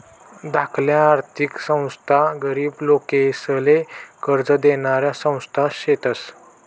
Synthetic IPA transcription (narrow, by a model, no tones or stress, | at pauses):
d̪akʰljãːɾt̪ʰiksə̃w̃st̪ʰaɡəɾiːblokesəlekəɾd͡zəd̪eɽ̃aɾjasə̃w̃st̪ʰaɕet̪əs